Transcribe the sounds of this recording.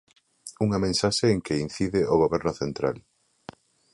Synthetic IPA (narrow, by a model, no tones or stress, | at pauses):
uŋɐmẽnsaʃeːŋkein̟θiðɪʔoɣ̞oβɛɾnʊθent̪ɾa̰l